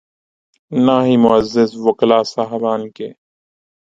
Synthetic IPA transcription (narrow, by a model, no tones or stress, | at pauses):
naːɦimʊəzːɪsʋʊklaːsaːɦbaːnkeː